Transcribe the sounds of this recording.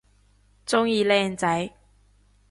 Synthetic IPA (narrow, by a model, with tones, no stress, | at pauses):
t͡sʊ˥ŋjiː˨˧lɛː˧nt͡sɐ˨˥j